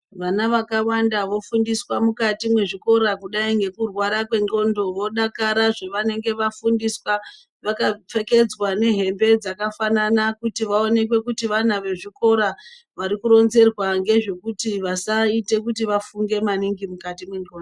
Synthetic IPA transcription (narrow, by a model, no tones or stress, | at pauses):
ʋanaʋakawandaʋo̞fundiswamukatimwe̞ʐiko̞ɾakuɗaiŋɡe̞kurwaɾakwe̞ŋɡo̞ndo̞ʋo̞ɗakaɾaʐeʋane̞ŋɡe̞ʋafundiswa | ʋakap͡fe̞ke̞d͡zwane̞ɦe̞mbe̞d͡zakafananakutiʋao̞ne̞kwe̞kutiʋan̤aʋe̞ʐiko̞ɾa | ʋaɾikuɾo̞nze̞rwaŋɡe̞ʐe̞kutiʋasaite̞kutiʋafuŋɡe̞maniŋɡimukatimwe̞ŋɡoːndo